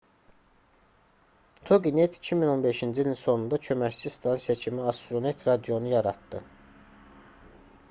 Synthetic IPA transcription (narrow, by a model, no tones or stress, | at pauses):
t̪ʰoɡinet̪ʰi̥cʰimino̞nbe̞ʃind͡ʒilʲinso̞nund̪ɑcʰømæct͡ʃʰist̪ʰɑnsijɑcʰimiɑst̪ɾonet̪ʰɾɑd̪ijo̞nujɑɾɑt̪d̪ɯ